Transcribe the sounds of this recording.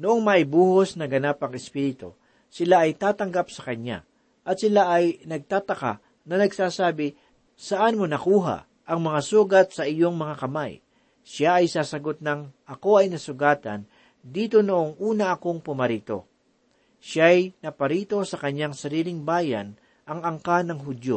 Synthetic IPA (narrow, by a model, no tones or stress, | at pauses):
noʔoŋmɐʔɪbuːhosnɐɡɐnapɐŋɛspiːɾɪt̪o̰ | sɪlaʔɐjt̪aːt̪ɐŋɡapsɐkɐɲa̰ | ʔɐt̪̚sɪlaʔɐjnɐɡ̚t̪aːt̪ɐka̰ | nɐnɐɡsaːsaːbɪ | sɐʔanmonɐkuːɦa̰ | ʔɐŋmɐŋasuːɡɐt̪̚sɐʔɪjo̞ŋmɐŋakɐmaj | ʃaʔɐjsaːsɐɡo̞t̪̚nɐŋʔɐko̞ʔɐjnɐsʊɡaːt̪ɐ̰n | d̪iːt̪o̞noʔoŋʔuːnɐʔɐko̞ŋpʊmɐɾiːt̪o̞̰ | ʃajnɐpɐɾiːt̪o̞sɐkɐɲːaŋsɐɾiːlɪŋbaːjɐ̰n | ʔɐŋɐŋkanɐŋɦʊd̪jo